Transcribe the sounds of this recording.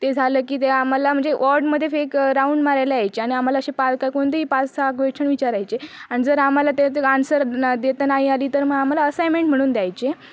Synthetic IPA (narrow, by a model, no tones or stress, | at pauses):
t̪ed͡zʱaləːkiːt̪eam̤alam̤əɳd͡zeʔɔɾɖməd̪ʱːjefekɾauɳɖmaɾajleajt͡ɕeaɽ̃iam̤alaəɕepalkaikoɽ̃t̪əiːpat͡ssaɡʋeʈt͡ɕʰəɳʋit͡ɕaɾajt͡ɕeaɽ̃id͡zəɾam̤alat̪eansəɾd̪et̪ənaɦĩaliːt̪əɾməɡam̤alaəsajmẽɳʈm̤əɽ̃uːnd̪jajt͡ɕe